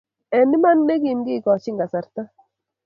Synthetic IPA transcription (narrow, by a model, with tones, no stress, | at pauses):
ɛ˨mi˦ma˦nne˦ki˨mɡi˦˨kɔ˨t͡ʃɪ˦ŋɡa˨sa˨ɾt̪a˦